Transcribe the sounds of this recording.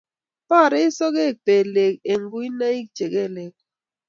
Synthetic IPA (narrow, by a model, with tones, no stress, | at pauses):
pa˦˨ɾɛ˦sɔ˦ɡe˦˨k̚pe˨le˨ke˨ŋɡu˦i˦na˦i˦k̚t͡ʃe˨ɡe˦˨le˨k̚